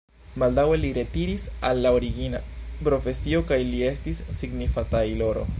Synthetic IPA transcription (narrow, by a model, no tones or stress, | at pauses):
mald̪awe̞liɾe̞tiɾisalːaoɾiɡinapɾo̞fe̞sio̞kajlie̞stisːiɡnifatajlo̞ɾo̞̰